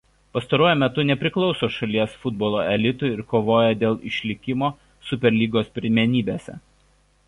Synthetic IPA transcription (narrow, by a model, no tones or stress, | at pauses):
pɐst̪ɐɾuɔjʊmʲɛt̪ʊnʲɛpʲɾʲɪklˠɒʊsoːʃɐlʲiɛsfʊd̪̚boːlˠoːɛlʲɪt̪ʊɪɪɾkoːʋoːjɛd̪ʲeːlˠɪʃʲlʲɪkʲɪmoː | sʊpʲɛɾʲlʲiːɡoːspʲɾʲɪmʲɛnʲiːbʲeːsʲɛ̰